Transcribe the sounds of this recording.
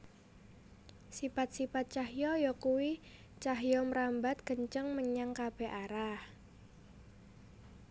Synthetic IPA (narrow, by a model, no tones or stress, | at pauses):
sipat̪̚sipat̪̚t͡ʃaɦjɔjɔkuwi | t͡ʃaɦjɔməɾambat̪̚ɡ̥əɲt͡ʃəŋməɲaŋkab̥eʔaɾah